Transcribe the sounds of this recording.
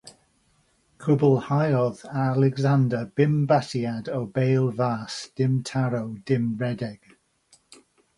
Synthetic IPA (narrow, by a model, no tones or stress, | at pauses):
kʰʊbəlˠhajɔðaalɛɡzandəb̥ɪmbatiadowbejlˠvaːsd̥ɪmtʰaɾowdɪmɹɛdɛɡ̥